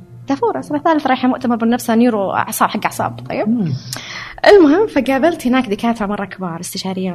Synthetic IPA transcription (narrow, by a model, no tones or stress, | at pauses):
t̪afuːɾˤɑsʔanaθaːlɪθɾˤɑːħamʊʔt̪amɑɾˤbɪnːafsanːiːɾuʕsˤɑːbħaɡːaʕsˤɑ̰ːbt̪ˤɑ̰jːɪb | ʔɪlmʊɦɪmːfaɡaːbalt̪hɪnaːkd̪ɪkaːt̪ɾˤɑmɑrˤːɑkɪbɑːɾˤɪst̪ɪʃaːɾɪjːa